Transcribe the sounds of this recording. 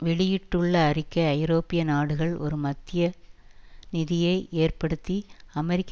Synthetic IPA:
ʋɛɭɪjɪʈːɯɭːɐːrɪkːɐːɪɾoːpɪjɐnaːɽɯɣɐɭɔ̰ɾɯmɐt̪ːɪjɐ | nɪðɪjɐɪʔeːrpɐɽɯt̪ːiɐmɛɾɪkː

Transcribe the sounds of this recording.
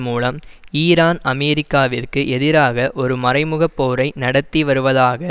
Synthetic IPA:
muːlɐmiːɾaːnɐmɛːɾɪkːaːʋɪrkɯʔɛðɪɾaːɣɐʔɔɾɯmɐrɐɪmɯɣɐpːoːɾɐɪnɐɽɐt̪ːiʋɐɾɯʋɐðaːɣɐ

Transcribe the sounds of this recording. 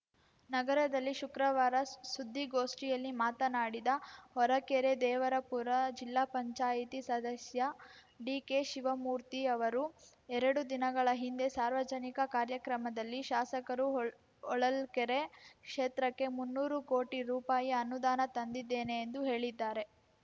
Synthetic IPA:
nɐɡɐɾɐd̪ɐlːiʃukɾɐʋaːɾɐsud̪ʱːiɡo̞ːʂʈijɐlːimaːt̪ɐnaːɽid̪ɐhɔɾɐkɛɾe̞d̪ɛːʋɐɾɐpuɾɐd͡ʒilːaːpɐɲt͡ʃaːjit̪isɐd̪ɐsjɐ | ɖiːke̞ʃiʋɐmuːɾt̪iɐʋɐɾu | ɛɾɐɽud̪inɐɡɐɭɐɦind̪e̞saːɾʋɐd͡ʒɐnikɐkaːɾjɐkɾɐmɐd̪ɐlːiʃaːsɐkɐɾu | ɔɭɐlkɛɾekʂeːt̪ɾɐkːe̞munːuːɾuko̞ːʈiɾuːpaːjiɐnud̪aːnɐt̪ɐnd̪id̪ːeːneːnd̪uɦe̞ːɭid̪ːaːɾe̞

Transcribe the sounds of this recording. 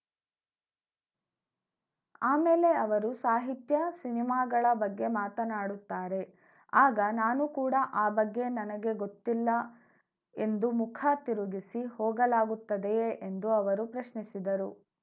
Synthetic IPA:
aːmeːle̞ɐʋɐɾusaːɦit̪jɐsinimaːɡɐɭɐbɐɡːe̞maːt̪ɐnaːɽut̪ːaːɾe̞ | aːɡɐnaːnukuːɽɐʔaːbɐɡːe̞nɐnɐɡe̞ɡot̪ːilːɐ | e̞nd̪umukʰat̪iɾuɡisihɔːɡɐlaːɡut̪ːɐd̪e̞end̪uɐʋɐɾupɾɐʃɳisid̪ɐɾu

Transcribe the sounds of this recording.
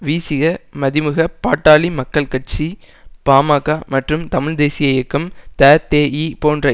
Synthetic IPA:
ʋiːsɪɣɐmɐðɪmɯɣɐpaːʈːaːlimɐkːɐɭkɐʈ̚t͡ʃi | paːmaːkamɐʈrɯmt̪ɐmɪɭd̪eːsɪjɐjɪkːɐmt̪aːt̪eːipoːndrɐ

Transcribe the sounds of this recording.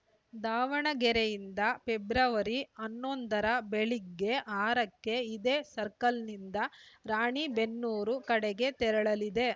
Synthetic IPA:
d̪aːʋɐɳɐɡɛɾejind̪ɐpebɾɐʋɐɾiɐnːond̪ɐɾɐbeɭiɡːe̞ʔaːɾɐkːe̞id̪e̞ːsɐɾkɐlnind̪ɐɾaːɳibe̞nːuːɾukɐɽɛɡe̞t̪ɛɾɐɭɐlid̪e̞

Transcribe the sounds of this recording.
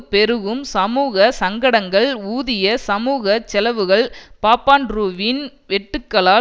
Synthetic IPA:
pɛɾɯɣɯmsɐmuːɣɐsɐŋɡɐɽɐŋɡɐɭuːðɪjɐsɐmuːɣɐt͡ʃɛlɐʋɯɣɐɭpaːpaːnɾuːʋinʋɛʈːɯkːɐɭaː

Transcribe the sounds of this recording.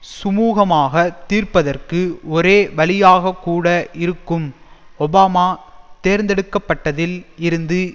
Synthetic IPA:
sʊmuːɣɐmaːɣɐt̪iːrpɐðɐrkɯɔɾeːʋɐɭɪjaːɣɐkːuːɽɐʔɪɾɯkːɯm | ɔbaːmaːt̪eːɾnd̪ɛɽɯkːɐpːɐʈːɐðɪlɪɾɯnd̪ɯ

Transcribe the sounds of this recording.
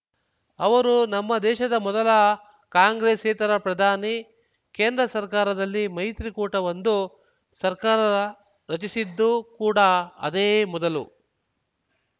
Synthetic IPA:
ɐʋɐɾunɐmːɐd̪ɛːʃɐd̪ɐmɔd̪ɐlɐ | kaːŋɡɾeːseːt̪ɐɾɐpɾɐd̪ʱaːni | keːnd̪ɾɐsɐɾkaːɾɐd̪ɐlːimɐjt̪ɾikuːʈɐʋɐnd̪u | sɐɾkaːɾɐ | ɾɐt͡ʃisid̪ːukuːɽaɐ̰d̪eːmɔd̪ɐlu

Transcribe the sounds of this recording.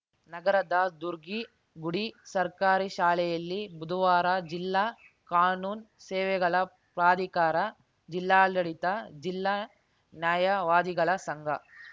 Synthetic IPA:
nɐɡɐɾɐd̪ad̪uɾɡi | ɡuɽisɐɾkaːɾiʃaːlɛjɐlːibud̪ʱuʋaːɾɐd͡ʒilːaː | kaːnuːn | sɛːʋɛɡɐɭɐ | pɾaːd̪ʱikaːɾɐ | d͡ʒilːaːlːɐɽit̪ɐd͡ʒilːaː | njaːjɐʋaːd̪iɡɐɭɐsɐŋɡʱɐ

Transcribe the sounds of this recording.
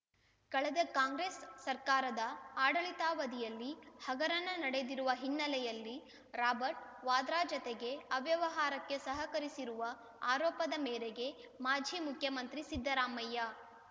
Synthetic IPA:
kɐɭɛd̪ɐkaːŋɡɾeːsːɐɾkaːɾɐd̪ɐaːɽɐɭit̪aːʋɐd̪ijɐlːihɐɡɐɾɐnɐnɐɽed̪iɾuʋɐɦinːɐlɛjɐlːi | ɾaːbɐɾʈ̚ʋaːd̪ɾaːd͡ʒɔt̪eɡe̞ɐʋjɐʋɐɦaːɾɐkːe̞sɐɦɐkɐɾisiɾuʋɐ | aːɾɔːpɐd̪ɐmɛːɾeɡe̞ | maːd͡ʒʱiːmukʰjɐmɐnt̪ɾisid̪ʱːɐɾaːmɐjːa

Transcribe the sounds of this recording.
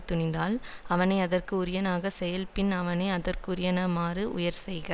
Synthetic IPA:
t̪ʊɳɪnd̪aːlɐʋɐnɐɪɐðɐrkɯʊɾɪjɐnaːɣɐsɛjɐlpɪnɐʋɐnɐɪɐðɐrkɯʊɾɪjɐnɐmaːrɯʔʊjɐɾsɛjɣɪ

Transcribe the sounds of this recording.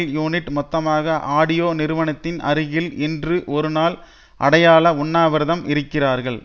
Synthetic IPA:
ljuːnɪʈːmɔt̪ːɐmaːɣɐʔaːɽɪjoːnɪɾɯʋɐnɐt̪ːɪnɐ̰ɾɪɣɪlɛndrɯʔɔɾɯnaːl | ʔɐ̰ɽɐjaːɭɐʊɳːaːʋɐɾðɐmʔɪɾɯkːɪraːɾɣɐɭ

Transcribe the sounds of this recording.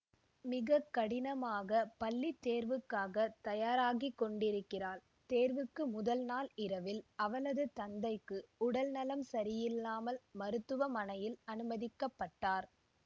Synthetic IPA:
mɪɣɐkːɐɽɪnɐmaːɣɐpɐlːit̪ːeːɾʋɯkːaːɣɐt̪ɐjaːɾaːɣikːɔɳɖɪɾɯkːɪraːl | t̪eːɾʋɯkːɯmʊðɐlnaːlɪɾɐʋɪlɐʋɐnɐðɯt̪ɐnd̪ɐɪkːɯʊɽɐlnɐlɐmsɐɾɪjɪlːaːmɐlmɐɾɯt̪ːɯʋɐmɐnɐjɪlɐnɯmɐðɪkːɐpːɐʈːaːɾ

